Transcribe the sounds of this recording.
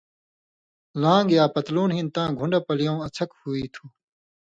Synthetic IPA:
lãːŋɡjaːpɐt̪luːnɦĩnt̪ãːɡʱũɳɖɐpɐlijõːɐt͡sʰɐkhuiːt̪ʰuː

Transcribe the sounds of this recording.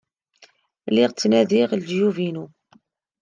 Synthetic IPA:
lɪʁt͡sːnæðiʁld͡ʒjuvinu

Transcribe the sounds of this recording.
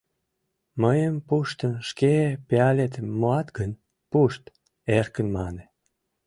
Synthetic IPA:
məjəmpuʃt̪ənʃkepeɑlʲet̪moɑt̪ɡən | puʃt̪ | erkənmɑne

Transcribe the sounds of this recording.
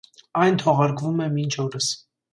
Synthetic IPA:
ɑjnt̪ʰɔʁɑɾkvumɛmint͡ʃʰɔɾəs

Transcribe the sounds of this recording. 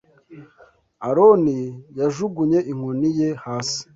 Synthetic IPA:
aɾonijaʒuɡuɲe̞ʔiŋ̥onijehaːsi̥

